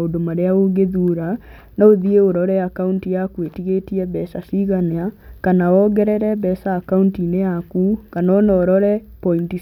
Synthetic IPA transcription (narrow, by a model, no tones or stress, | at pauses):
odomaɾeaoɡeðuːɾa | naoðieoɾɔɾɛakauntijakwetiɣetiɛβɛsasiɣaneakanawɔɡɛɾɛɾɛbɛsaːkauntineakukanɔnɔɾɔɾɛpɔinti